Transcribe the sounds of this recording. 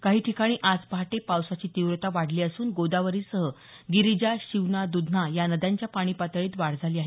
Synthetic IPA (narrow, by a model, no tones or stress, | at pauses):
kaɦiːʈʰikaɽ̃iːʔad͡zpaʈepawsat͡ɕiːt̪iʋɾt̪aʋaɽ̤liːəsuːnɡod̪aʋəɾiːsəɦə | ɡiɾid͡ʑaɕiʋnad̪ud̪ʱnajanəd̪jaɲt͡ɕjapaɽ̃iːpat̪əɭiːt̪ʋaɽ̤d͡zʱaliːaɦe